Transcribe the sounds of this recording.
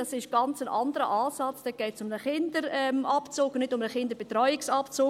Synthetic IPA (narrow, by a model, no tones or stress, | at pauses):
ɑsɪʃɡ̥ɑnt͡sənʔɑndəɾə̰ʔaːsɑt͡sd̥ɛɡ̥ɛːtsʊmnəχɪndəɾɛmʔapt͡soːknɪdʊmnəχɪndəbetɾɔʏɪksɑpt͡soː